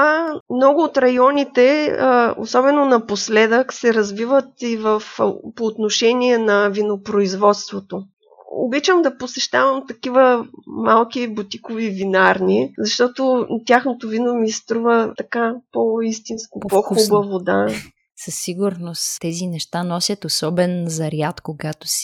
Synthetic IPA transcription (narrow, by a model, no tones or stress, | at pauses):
amnɔɡʊːt̪ɾɐjɔnʲit̪ɛ | o̰sɔbɛnonɐposlɛd̪əksɛɾɐzvivət̪ivəfpoːt̪noʃɛnʲiɛnɐvinopɾoizvɔt̪st̪vot̪o | o̰bit͡ʃəmd̪ɐposɛʃt̪avəmt̪ɐk̟ivəmalˠkibut̪ʲikovivinaɾnizɐʃt̪ɔt̪ot̪ʲjaxnot̪ovinomist̪ɾuvət̪ɐkapoist̪inskopoxubəvod̪a | sɐsːiɡʊɾnost̪ɛzinɛʃt̪anɔsʲjət̪osɔbɛnzɐɾjat̪koɡat̪o̥s